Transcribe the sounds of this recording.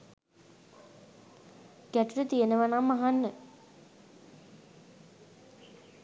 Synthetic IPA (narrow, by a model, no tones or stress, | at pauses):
ɡ̥æʈuʈət̪ijenəʋanamːaɦanːə